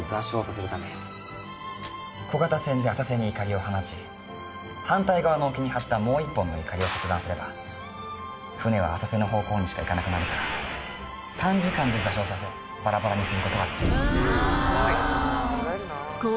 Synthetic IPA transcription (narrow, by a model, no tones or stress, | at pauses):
zaɕo̞ːsaseɾɯ̟t̪ame | ko̞ɡat̪asẽ̞nd̪e̞asase̞ɲ̟iːkaɾʲio̞hanat͡ɕi | hãnt̪aiɡaβano̞ːkʲiɲ̟ihat̪ːamo̞ːipːõ̞nːo̞ikaɾʲio̞set͡sɨd̪ãsɨɾe̞ba | ɸɯ̟ne̞β̞a̰ːsase̞no̞ɦo̞ːko̞ːɲ̟iɕi̥kaikanakɯ̟naɾɯ̟kaɾa | t̪ʰãɲ̟d͡ʑikãnd̪e̞zaɕo̞ːsase | baɾabaɾaɲ̟isɨɾɯ̟ko̞t̪o̞ɡad̪e̞t̪ʲeimasɨ̥